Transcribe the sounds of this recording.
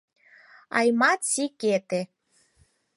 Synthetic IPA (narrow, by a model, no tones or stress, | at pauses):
ɑ̰jmɑt̪siket̪e